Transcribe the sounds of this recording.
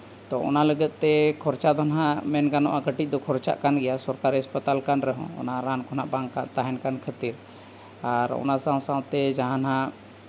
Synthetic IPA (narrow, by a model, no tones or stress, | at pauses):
t̪ɔʔɔ̰naləɡət̪̚ˀt̪ɛkʰɔɾt͡ʃad̪ʱɔnɦãmɛnɡanɔ̰ʔaɡəʈic̚ˀd̪ɔkʰɔɾt͡ʃa̰ʔkanɡɛjasɔɾkaɾiaspət̪alkanɾɛɦɔ̰̃ɔ̰naɾankʰɔnaʔbaŋkant̪aɦɛnkankʰət̪iɾ | aɾɔ̰nasãw̃sãw̃t̪ɛd͡ʒaɦanɦã